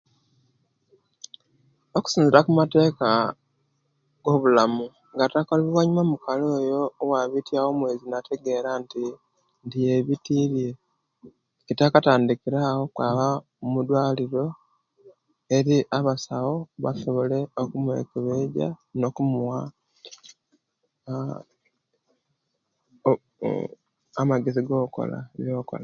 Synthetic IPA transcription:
oku̥siːnziɾakumate̞ːka | ɡ̥o̞βulamu | ŋɡatakoliβiwaɲumamukaloːjo̞ːwaβitiawo̞mwe̞ːzinate̞ɡe̞ɾanti | ndije̞βitiɾije | kitakataːndikiɾaho̞kwaːβa | mumud̪waːliɾo̞ | e̞ɾiʔaβasawo̞βa̰soβole̞okumuḛkiβeɟa̰no̞kumuwa | amaɡe̞ziɡo̞ːko̞̰la̰βjo̞ːko̰la

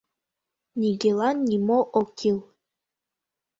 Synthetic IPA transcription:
nʲiɡelˠanːimoʔokʰilˠ

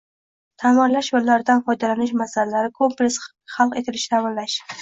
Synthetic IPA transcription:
t̪ʰamɒnlaʃjolːaɾɪd̪anfɒjd̪alanɪʃmasalalaɾɪkʰomples | χalˠqet̪ʰɪlɪʃt̪ʰamɒnlaʃ

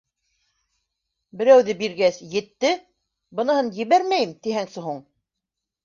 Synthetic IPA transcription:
bɘ̆ɾæwðɘbiɾɡæsjɘ̆t̪ːɘ | bɤ̆nɤ̆hɤnjɘ̆βæɾmæjɘmt̪ihæŋsɘɦuɴ

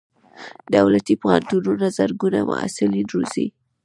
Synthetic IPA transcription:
d̪awlat̪iphant̪ununazəɾɡunamʊ̰a̰sɪlinɾoz̥i

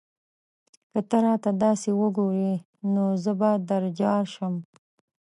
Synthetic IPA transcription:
kət̪əɾɑt̪ad̪ɑsewəɡoɾe | nozəbad̪aɾd͡ʒɑɾʃəm

